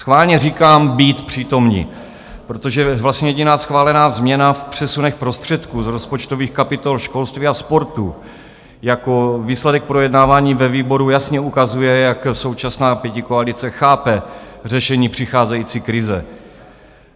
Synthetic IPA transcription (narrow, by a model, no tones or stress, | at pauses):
sxvaːlɲɛriːkaːmbiːt̪pr̝̥iːt̪o̞mɲḭ | pɾot̪o̞ʒɛvlast̪ɲɛjɛɟɪnaːsxvaːlɛnaːzmɲɛnafpr̥ɛsunɛxpɾo̞st̪r̝̥ɛt̪kuːzɾospot͡ʃt̪oviːxkapɪt̪olʃko̞lst̪viːaspo̞ɾt̪u | jako̞viːslɛdɛk̚pɾo̞jɛdnaːvaːɲiːvɛviːbo̞ɾujasɲɛukazujɛjakso̞wt͡ʃasnaːpjɛcɪkoalɪt͡sɛxaːpɛr̝ɛʃɛɲiːpr̝̥ɪxaːzɛjiːt͡siːkɾɪzɛ̰